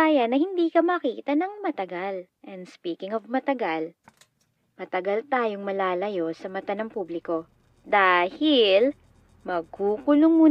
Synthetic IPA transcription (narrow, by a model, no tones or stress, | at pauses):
aːjɐnːɐhɪnd̪iːkɐmɐkiːt̪ɐnɐŋmɐt̪ɐɡal | ʔɛnd̪spiːkɪŋɔvmɐt̪ɐɡal | mɐt̪ɐɡɐlt̪aːjoŋmɐlaːlɐjo̞sɐmɐt̪anɐŋpuːblɪko̞ | d̪aːhɪl | mɐɡ̚huːkʊlʊŋmuː